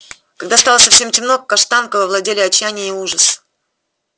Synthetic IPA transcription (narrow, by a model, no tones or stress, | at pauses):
kɐɡd̪ast̪alˠəsɐfʲsʲe̞mtʲɪmnokːɐʂt̪ankəvəvlˠɐdʲelʲɪɐt͡ɕːanʲɪjəɪuʐəs